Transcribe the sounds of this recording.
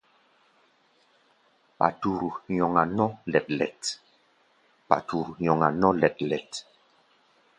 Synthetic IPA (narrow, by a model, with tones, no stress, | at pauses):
pa̰˨tu˨ɾu˨ɲɔ˨ŋa˨nɔ˦lɛ˨t̚lɛ̰˨t | pa̰˨tu˨ɾu˨ɲɔ˨ŋa˨nɔ˦lɛ˨tlɛ˨t